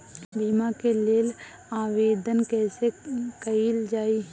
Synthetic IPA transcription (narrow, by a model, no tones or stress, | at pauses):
biːmakeleːl | aːʋeːd̪ənkɛːsekəild͡ʒaːi